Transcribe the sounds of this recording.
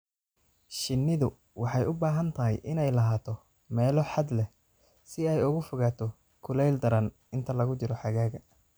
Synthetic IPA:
ʃɪnːɪðʊ | wɑħɑjʊbaːɦɐnt̪ʰɐɦɪ̰jʔɪnɛjlɐɦaːt̪ʰɔ | mɛːlɔħɑd̪lɛ | sɪɛjʊɣʊfʊɣaːt̪ʰɔ | kʰʊlɛjld̪ɐɾɐn | ɪnt̪ʰɐlɐɣʊt͡ʃɪɾɔħɑɣaːɣɐ

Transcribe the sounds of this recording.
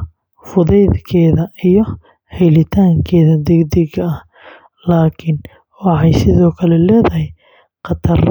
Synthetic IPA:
fʊðɛjðkʰɛːðɐijɞ | hɛjlɪt̪ʰaːŋkʰɛːðɐd̪ɛɡd̪ɪɡɐɐh | laːkʰɪn | wɑħɑjsɪðɔːkʰɐlɛlɛːðɐɦɛj | qɑt̪ʰɐr

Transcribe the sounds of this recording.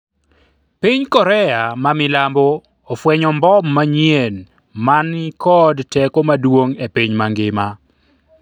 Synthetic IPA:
piɲkɔɾɛamamɪlamboː | fwɛɲɔmbɔmːaɲjen | manikɔdtɛkomadwoŋepiɲmaŋɡɪma

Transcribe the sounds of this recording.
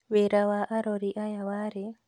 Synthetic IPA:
wɛɾawaʔaɾɔɾiʔajawaɾɛ

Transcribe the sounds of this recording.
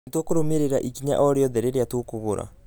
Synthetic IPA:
twokoɾomeɾeɾaʔikiɲa̰ʔɔɾeɔðɛɾeɾeatokoɣoɾa̰

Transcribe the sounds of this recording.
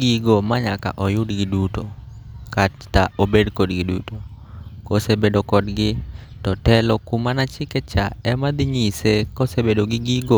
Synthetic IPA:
ɡiɡomaɲaka̰ʔɔjʊdɡɪdutokattaobedkodɡɪdṵto | kosebedokɔdɡɪtɔtɛlɔkumanat͡ʃɪkɛt͡ʃaɛmad̪ɪɲisekosebedoɡɪɡiɡo

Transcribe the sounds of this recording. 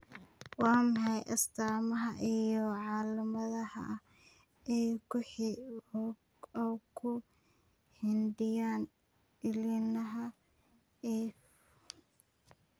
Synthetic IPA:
wɑːmɐħɑjʔɐst̪ʰaːmɐɦɐʔijɔʕɑːlɐmɐðɐhɐ̰ | ɛjkʰʊħi | kʰʊ | hɪndɪjaːn | ɪlɪnɐɦɐ | ɛː

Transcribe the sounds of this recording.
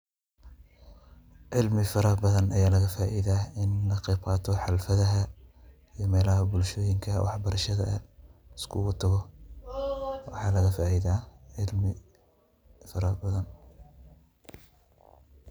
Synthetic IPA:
ʕɪlmɪfɐɾɐbɐðɐnɐjaːlɐɣɐfaːʔiðaɪnlɐqɛːbqɑːt̪ʰɔħɑlfɐðɐɦɐ | ijɞmɛːlɐɦɐbʊlʃɔːjɪŋkʰɐwɑħbɐɾɐʃɐðɐ̰ɐ̰ɪskʰʊɣʊt̪ʰɐɣɔ | wɑ̰ħɑːlɐɣɐfaːʔiðaːʕɪlmɪ | fɐɾɐbɐðɐn

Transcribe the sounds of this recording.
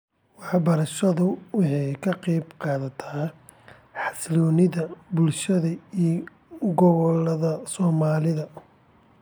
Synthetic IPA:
wɑħɑbɐɾɐʃɐðʊwɑħɑjkʰɐqɛːbqɑːðɐt̪ʰaː | ħɑslɔːnɪðɐbʊlʃɐðɐij | ɡɔβɔlɐðɐsɔːmaːlɪðɐ

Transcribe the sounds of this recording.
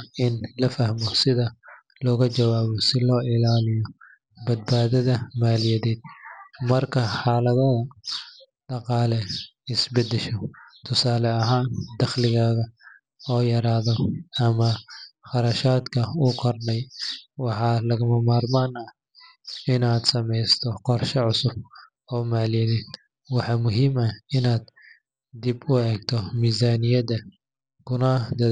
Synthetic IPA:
ɪnlɐfɐhmɔsɪðɐ | lɔːɣɐt͡ʃɐwaːβɔsɪlɔːʔɪlaːlɪjɔ | bɐd̪̚baːðɐðɐmaːlɪjɐðɛːd̪̚mɐrkʰɐħɑːlɐðɐðɐ | ɖɑqɑːlɛ | ɪsbɐd̪ɛʃɔt̪ʰʊsaːlɛɐɦaːnd̪ɐχlɪɣaːɣɐ | ɔːjɐɾaːðɔɐmɐχɑɾɐʃaːd̪kʰɐuːkʰɔrnɛjwɑħɑːlɐɣɐmɐmaːrmaːnɐ | ɪnaːd̪sɐmɛjst̪ʰɔqɔrʃɐʕʊsʊb̚ | ɔːmaʕlinɪd̪ | wɑħɑmʊɦiːmɐɪnaːd̪̥ | d̪ibʊɛːɡ̚t̪ʰɔmiːzaːnɪjɐdɐ | kʰʊnɐd̪ɐ

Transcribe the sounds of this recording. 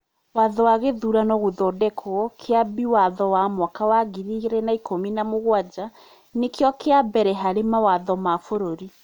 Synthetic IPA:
waðɔwaɣeðuɾanɔɣoðɔdɛkʰɔkʰeabiwaðɔwamwakawaɣɡiɾiɾɛnaikominamoɣwad͡ʑa | nekeɔkeabɛɾɛɦaɾemawaðɔmafoɾoɾi

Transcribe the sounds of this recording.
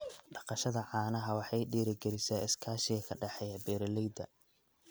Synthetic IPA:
ɖɑqɑʃɐðɐʕɑːnɐɦɐwɑħɑjɖiːɾɪɡɛɾɪsaːɪskʰaːʃɪɣɐkʰɐɖɑħɛjɐbɛːɾɐlɛjd̪ɐ

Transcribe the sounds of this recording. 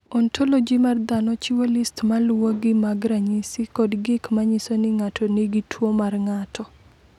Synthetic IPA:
ɔntʰolod͡ʒimard̪anɔt͡ʃiwolistmalwoɡɪmaɡɾaɲisɪkɔdɡɪkmaɲisonɪŋatʰɔniɡitʰwomarŋatʰɔ

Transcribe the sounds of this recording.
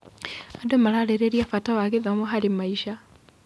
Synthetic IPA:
adomalaleɾeɾiafatawaɣeðomoɦalimaiʃa

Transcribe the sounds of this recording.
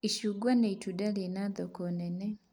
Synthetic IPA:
iʃuɡwaneitudalenaðɔkɔnɛnɛ

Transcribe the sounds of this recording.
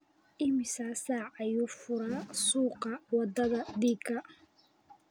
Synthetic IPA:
ʔɪmɪsaːsaːʕɐjuːfʊɾaːsuːqɐwɑd̪ɐðɐd̪iːkʰɐ

